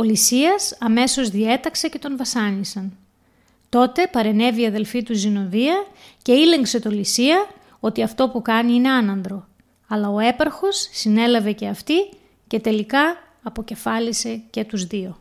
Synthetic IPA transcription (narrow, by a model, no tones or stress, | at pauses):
o̞lisiɐsɐme̞so̞zðie̞t̪ɐkse̞ce̞t̪o̞nvɐsɐnisɐn | t̪o̞t̪e̞pɐɾe̞ne̞viɐðe̞lfit̪uzino̞ðiɐce̞ile̞ŋkse̞t̪o̞lisiɐ | o̞t̪iɐft̪o̞pukɐniine̞ɐnɐnd̪ɾo̞ | ɐlɐo̞e̞pɐɾxo̞sːine̞lɐve̞ce̞ɐft̪i | ce̞t̪e̞likɐː | po̞ce̞fɐlise̞ce̞t̪uzðio̞